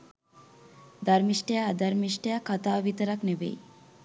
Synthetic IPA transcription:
d̪aɾmiʃʈejad̪aɾmiʃʈejakʰat̪aːʋit̪əɾaknebḛj

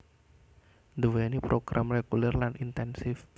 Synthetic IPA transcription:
d̪uwenipɾoɡ̥ɾʔamreɡulɛrlanʔint̪ɛnsɪf

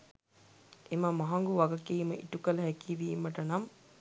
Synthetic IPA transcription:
ʔemɐmɐɦɐŋɡuʋɐɡɐkiːmɐʔiʈukɐlɐɦækiʋiːmɐʈɐnɐm

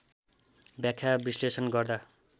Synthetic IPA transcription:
bjakʰːjabislesʌnɡʌrd̪a

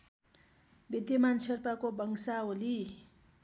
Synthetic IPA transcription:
bid̪jʌmant͡sʰerpakobʌŋsaoli

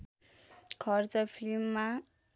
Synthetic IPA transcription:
kʰʌrt͡sʌpʰilmːa

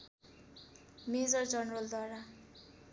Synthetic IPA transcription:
med͡zʌrd͡zʌnrʌld̪waɾa

